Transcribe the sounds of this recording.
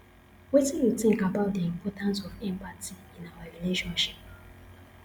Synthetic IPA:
wetĩnjutɪ̃ŋkabaʊt̚deimpɔtãnsɔfɛmpatiinawaɾileʃɔ̃nʃi̥p̚

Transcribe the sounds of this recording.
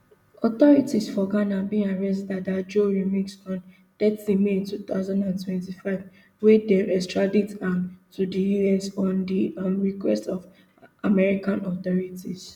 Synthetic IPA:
ɔt̪ɔɹitisfɔɡanabĩŋaɹɛs̬dadad͡ʒoɹimiksɔ̃n | d̥ɛtlimeĩntut̪aʊzãndãntʰwɛ̃ntifaɪv | wɛdɛmɛstɹaditãmtʰudijuɛsɔ̃ndiãmɹikwɛstɔv | amɛɹikʰãnɔt̪ɔɹitis

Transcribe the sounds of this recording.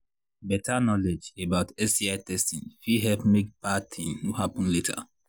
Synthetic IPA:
bɛtanɔled͡ʒebaʊtɛsiaɪtɛstĩnfiɦɛlpmekpatʰĩnnuɦapʊ̃n̩letʰa̰

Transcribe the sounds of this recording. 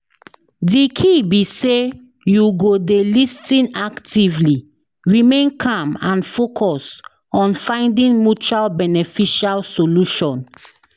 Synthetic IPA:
dikʰibise | juɡodelistĩnaktivli | ɹimẽnkʰãmãnfokʰɔs | ɔ̃nfãɪ̃ndĩnmjut͡ʃualbɛnɛfiʃalsoluʃɔ̃n

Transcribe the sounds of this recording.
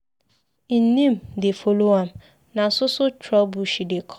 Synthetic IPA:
n̩nĩmdefoloãm | nãn̩sʊsʊt͡ʃʰɾɔbuɕidekʰɔ

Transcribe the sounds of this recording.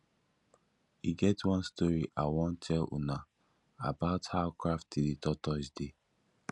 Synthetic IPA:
iɡɛtwɔ̃nstɔɹiʔawɔ̃ntʰɛlṵna | abaʊthaʊkɹaftiditɔtɔsde

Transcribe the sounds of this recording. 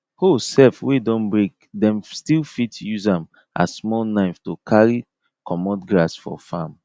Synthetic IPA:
hosɛfwedɔ̃nbɹẽk | dɛ̃mstilfitjuzãm | ʔa̰smɔlˠnaɪftokʰaɹi | kʰɔmɔdɡɹasfɔ̰fãm

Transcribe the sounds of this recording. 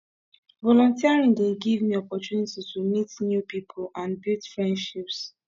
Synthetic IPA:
vɔlɔ̃ntiaɹĩŋdeɡivmiɔpɔtjunititumitnjupipʰolãnbildfɹɛ̃ndʃips

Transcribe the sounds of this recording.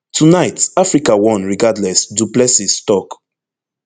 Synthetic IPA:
tʰunaɪtafɹikawɔ̃nɹiɡadlɛsduplɛsistɔk

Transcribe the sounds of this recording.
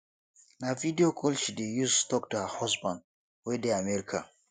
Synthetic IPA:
navidiokʰɔlʃidejustɔk̚tuhahɔsbãn | wedeamɛɾikʰa̰

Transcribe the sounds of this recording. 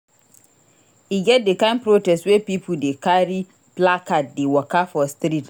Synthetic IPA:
iɡɛt̚dekãmpɾotɛstwepipʰudekaɾi | plakʰat̚dɪwɔkafɔstɾit

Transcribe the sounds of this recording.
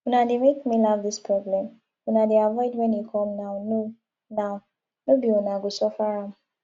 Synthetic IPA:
unademekmilavðispʰɹɔblɛ̃m | unadeavɔɪdwɛ̃njukʰɔ̃mnawno | naw | nobiunaɡusɔfaɹam

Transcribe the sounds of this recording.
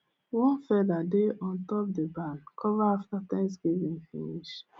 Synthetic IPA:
wɔ̃nfɛdadeʔɔ̃ntɔp̚dəbãnkʰɔvaaftatɛ̃msɡivĩnfḭniʃ

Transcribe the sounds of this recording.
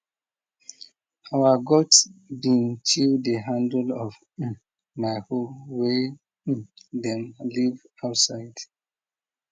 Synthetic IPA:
awaɡɔdsbĩnt͡ʃʰildeɦãndlɔṽ̩ | maɪhowẽ | dɛ̃mliv | aʊtsaɪd̥

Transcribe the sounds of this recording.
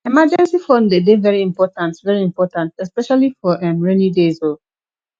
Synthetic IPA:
ɛmad͡ʒɛ̃nsifɔ̃ndedevɛɹiĩmpɔtãntvɛɹiĩmpɔtãntɛspɛʃalifɔʔɛ̃mɹɛnidezo

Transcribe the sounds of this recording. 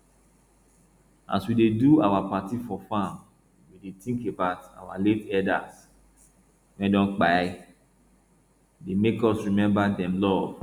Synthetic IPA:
a̰swideduawapatifɔfãm | wwidetĩŋkebaʊta̰waletɛda̰s | wɛ̃ndɔ̃nk͡paɪ | demekɔsɹimɛ̃mbadɛ̃mlɔv

